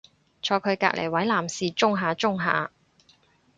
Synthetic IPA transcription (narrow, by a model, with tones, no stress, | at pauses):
t͡ʃʰɔː˧kʰɵ˨˧ɥka̰ː˧k̚lʔḛ˨˩jwɐ˨˥jlaː˨˩msiː˨˧t͡ʃʊ˥ŋɦaː˨˧t͡sʊ˥ŋɦa̰ː˨˧